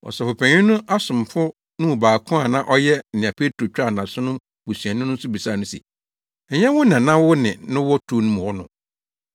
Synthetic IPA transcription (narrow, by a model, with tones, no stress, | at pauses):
ɔ̰˨sɛ˨fʊ˨pʰæ̃˨ɲĩ˦nʊ̃˦ʔa˦sʊ̃˨m˨fʊ˦ | nʊ̃˦wʊ˨baː˨kʰʊ̃˦a˨nã˦ʔɔ˦jɛ˦˨nɪ̃˨ã˨pʰe˦tʰɾo˨t͡ɕᶣa˦˨nã˨sʊ˦nʊ̃˦ | bu˨sɥɛ̃˨nʊ̃˦nʊ̃˦n̩˦sʊ˦bi˨saː˦˨nʊ̃˦sḭ˨ | ɲɛ̃˦wʊ˦nã˨nã˦wʊ˦nɪ̃˨nʊ̃˦wɔ˦tʰu˦nʊ̃˦m̃˨wɔ˦nʊ̰̃˨